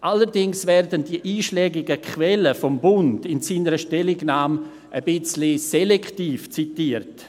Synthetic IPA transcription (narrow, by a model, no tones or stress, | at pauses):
ʔaləɾdɪŋsvɛɾdəndiəʔiːʃlɛːɡɪɡəkʰvɛləfɔmbʊndɪnsiːnəɾəʃtɛlɪɡnaːm | ʔəbɪt͡slisɛlɛktiːft͡sitiərt